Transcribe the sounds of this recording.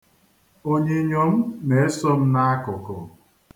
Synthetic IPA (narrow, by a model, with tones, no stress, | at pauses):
o˦ɲe˦ɲo˨m̩˦me˨e˦sɔ˦m̩˦na˦a˦kʊ˨kɔ˨